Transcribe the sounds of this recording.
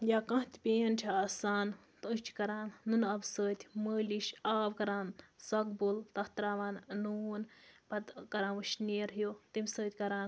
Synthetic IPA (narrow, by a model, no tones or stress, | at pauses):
jaːkɐ̃ɦt̪ʲpʲeːɐnt͡ʃʲʰaɐsaːn | t̪ɨt͡ʃʰkɐɾaːnːɨnɐbsəːt̪ʲʰməːliʃaːbkɐɾaːnsɐɡbult̪ɐht̪ɾaːʋaːnnuːnpɐt̪kɐɾãːnʋɨʃneːɾɦjot̪imʲsəːt̪ʲkɐɾãːn